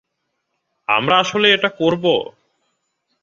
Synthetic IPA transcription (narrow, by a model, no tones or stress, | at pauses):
a̰mɾaaʃoleeʈakoɾbo̰